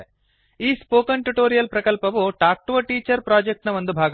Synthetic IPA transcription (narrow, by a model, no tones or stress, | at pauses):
iːspoːkɐnʈuʈoːɾijɐlpɾɐkɐlpɐʋuʈaːk̚ʈʋɐʈiːt͡ʃɐɾpɾaːd͡ʒek̚ʈnɐʋond̪ubʱaːɡ